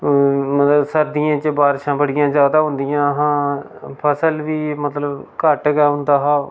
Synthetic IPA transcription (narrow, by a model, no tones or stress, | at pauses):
mət̪ləbsəɾd̪ɪjãːt͡ʃbaːɾʃãːbəɽɪjãːzjaːd̪aːɦʊ̃nd̪ɪjãːəɦãː | pʰəsəlʋiːmət̪ləbkəʈɡɛːɦʊ̃nd̪aːɦaː